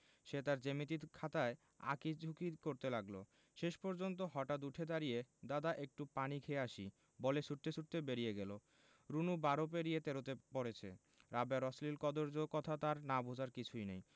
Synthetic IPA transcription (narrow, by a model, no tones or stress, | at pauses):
ʃet̪aɾd͡ʑemit̪̬it̪kʰat̪ae | a̰kid͡ʑʱukikoɾt̪elaɡlo̰ | ʃeʃpɔɾd͡ʑont̪̬oɦɔʈat̪uʈʰed̪aɾijed̪ad̪aʔek̚ʈupanikʰeeaʃi | boleʃuʈt̪eʃuʈ̚t̪ebeɾijeɡɛlo | ɾunubaɾopeɾijet̪eɾot̪epoɾet͡ɕʰḛ | ɾabaɾɔslilkɔd̪oɾd͡ʑokɔt̪ʰat̪aɾnabʱod͡ʑaɾkit͡ɕʰujnej